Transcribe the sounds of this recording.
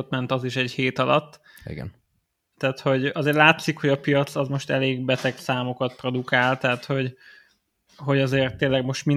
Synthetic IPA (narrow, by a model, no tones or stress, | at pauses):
ot̪mɛnt̪ɒziʃɛɟheːt̪ɒlɒt̪ː | ḭɡɛ̰n | t̪ːaːt̪ho̞ɟɒzeːrlaːt̪sikhoɟɒpijɒt̪sɒzmo̞ʃt̪ɛleːɡbɛt̪ɛksaːmo̞kɒt̪̚pro̞d̪ukaːlt̪ɛɦat̪ho̞ɟ | ɦo̞ɟɒzeːrt̪ːeːlːɛɡmo̞ʃt̪min